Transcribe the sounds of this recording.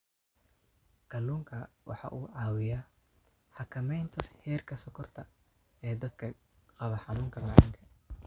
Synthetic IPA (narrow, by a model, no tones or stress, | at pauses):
ɡ̥ʰɐluːŋkʰɐwʔɑ̰ħɑ̰ʔuːʕɑːwɪja | ħɑkʰɐmɛjnt̪ʰɐhɛːrkʰɐsɐkʰɔrt̪ʰɐ | ɛːd̪ɐd̪kʰɐ | qɑβɐħɑnuːŋkʰɐlɑʕɑ̰ŋkʰɐ